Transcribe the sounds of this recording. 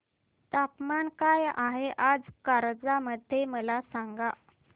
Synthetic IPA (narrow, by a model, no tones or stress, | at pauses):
t̪apmankajaɦeʔad͡zkaɾd͡zaməd̪ʱjeməlasaŋɡa